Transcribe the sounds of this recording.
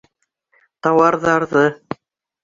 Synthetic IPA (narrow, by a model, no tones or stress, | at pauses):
t̪ɑwɑɾðɑɾðɤ